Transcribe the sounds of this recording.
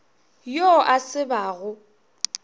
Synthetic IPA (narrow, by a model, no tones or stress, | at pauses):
joʔasɪbaːɣʊ